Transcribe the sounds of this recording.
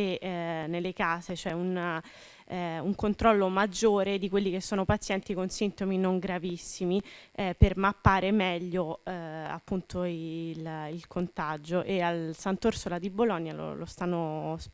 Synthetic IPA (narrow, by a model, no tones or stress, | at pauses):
enelːekaːzet͡ʃoɛun | uŋkont̪ɾɔlːomad͡ʒːoːɾed̪ikwelːikesːoːnopat̪sːjɛnt̪ikonsint̪ominoŋɡɾavisːimipermapːaːɾemɛʎːoa̰pːunt̪oililkʰont̪ad͡ʒoʔealsant̪orsolad̪ibolɔnːjalo̰lo̰st̪anːos